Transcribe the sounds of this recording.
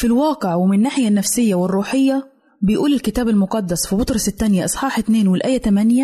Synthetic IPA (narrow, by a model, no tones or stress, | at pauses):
filwɑːqɪʕwɪmɪnːaːħɪjanːafsɪjːawɪrˤːuːħɪjːa | bɪjʔuːlɪlkɪt̪aːbalmʊqɑd̪ːasfibʊt̪ɾˤɑsɪt̪ːanjaʔɑsˤħɑːħɪt̪neːnwɪlʔaːjːat̪amanja